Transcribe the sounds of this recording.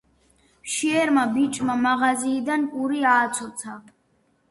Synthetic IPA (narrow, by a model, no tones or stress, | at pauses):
pʃiɛɾmabit͡ʃʼmamaʁaziːd̪anpʼuɾiaːt̪sʰɔt̪sʰa